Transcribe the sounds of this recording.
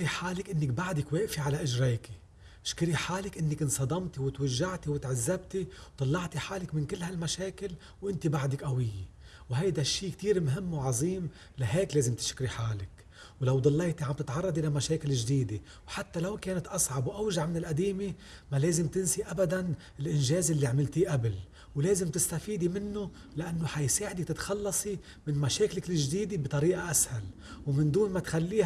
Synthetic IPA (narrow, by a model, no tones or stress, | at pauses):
kɾiħaːlɪkʔɪnːɪk̚baʕd̪ɪkweːʔfiʕalaʔɪʒɾeːki | ʃkɪɾiħaːlɪkʔɪnːɪkʔɪnsˤɑd̪ɑmt̪iwɪt̪waʒːaʕt̪iwɪt̪ʕazːabt̪iwt̪ˤɑlːɑʕt̪iħaːlɪkmɪnkɪlːhalmaʃeːkɪl | wʔɪnt̪ibaʕd̪ɪkʔawɪjːe | wɦajd̪aʃːiːkt̪iːɾmɦɪmːwʕɑzˤiːm | laɦeːkleːzɪmt̪ɪ̥ʃkɾiħaːlɪk | wlawd̪ˤɑlːejt̪iʕambt̪ɪt̪ʕɑrˤːɑd̪ˤʔɪlamaʃeːkɪlɪʒd̪iːd̪e | wħat̪ːalawkeːnat̪ʔɑsˤʕɑbwʔawʒaʕmɪnɪlʔad̪iːmemaleːzɪmt̪ɪnsiʔabad̪an | ɪlʔɪnʒeːzɪlːiʕmɪlt̪iʔabl | wleːzɪmt̪ɪst̪afiːd̪imɪnːʊ | lɪʔanːʊħajsaːʕd̪it̪ɪt̪xɑlːɑsˤi | mɪnmaʃeːkɪlɪkɪlɪʒd̪iːd̪ebt̪ˤɑɾiːʔaʔashal | wmɪnd̪uːnmat̪xalːiː